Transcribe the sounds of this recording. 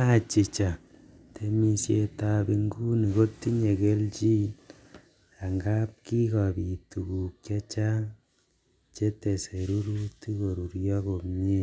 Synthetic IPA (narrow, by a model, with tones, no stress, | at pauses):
a˦˨t͡ʃi˨t͡ʃa˨ | tʰe˦mi˦sje˧ta˧bi˧ŋɡu˦ni˨ko˦tːi˦ɲe˨ke˦lt͡ʃi˦ | a˨ŋɡa˦p̚ki˦ka˨bi˨tu˨ku˨kkja˦t͡ʃa˦ | t͡ʃe˦te˨se˨ɾu˦ɾu˦ti˦ko˨ɾu˨ɾjɔ˦ko˨ɲe˦